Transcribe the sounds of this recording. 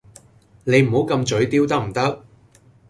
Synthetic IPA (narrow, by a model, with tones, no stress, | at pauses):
ne˨˧jm̩˨˩ho˨˥wkɐ˧mt͡ʃɵ˨˥ɥt̪iː˥wt̪ɐ˥k̚m̩˨˩t̪ɐ˥k̚